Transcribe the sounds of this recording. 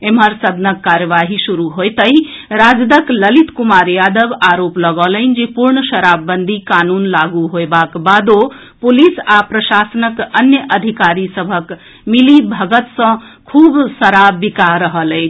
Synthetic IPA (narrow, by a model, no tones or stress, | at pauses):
emɦəɾsəd̪nəkːaɾjəʋaɦisuɾuɦojt̪əj | ɾad͡ʒd̪əkləlit̪kumaɾjad̪əbaɾopləɡələɪnd͡ʒepuɾɳəʃəɾabːənd̪ʱikanunlaɡuɦoebakbad̪o | pulisapɾəsasənəkənjəʔəd̪ʱikaɾisəbʱək | milibʱəɡət̪sʌ̃ | kʰubsəɾabikaɾəɦələɪn